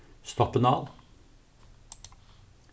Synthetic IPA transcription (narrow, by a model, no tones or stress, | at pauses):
st̪ɔpənəɑːʋ